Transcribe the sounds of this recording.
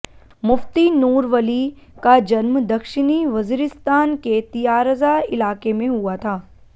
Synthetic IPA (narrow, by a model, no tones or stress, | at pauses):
mʊft̪inuːɾʋəli | kad͡ʒɐnmd̪ɐkʃɪniʋɐziːɾɪst̪aːnket̪ijaːɾəzaɪlaːkemẽɦuat̪ʰaː